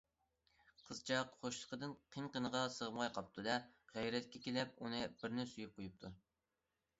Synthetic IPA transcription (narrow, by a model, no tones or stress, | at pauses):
qʰəzt͡ʃʰɑqχoʃlˠə̥qʰəd̪ɨnqʰəŋqənəʁɑsəʁəmʁɑjqʰɑp̚t̪ʰud̪ɛʁæjɾɛt̪̚kʲɛkʲelɛpunɨb̥ɪɾnɪsujyp̚qʰojup̚t̪ʰu